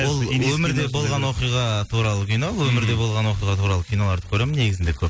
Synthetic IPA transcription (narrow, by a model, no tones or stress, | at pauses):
olˠɵmɪɾd̪e̞bo̞lˠʁɑnwo̞qijʁɑt̪ʰuɾɑlˠəkʲʰijnoəwɵmɪɾd̪e̞bo̞lˠʁɑnwo̞qijʁɑt̪ʰuɾɑlˠəkʲʰijno̞lˠɑɾd̪ə̥kʲʰɵɾe̞mɪne̞ɡʲɪzɪnd̪ekʲʰɵp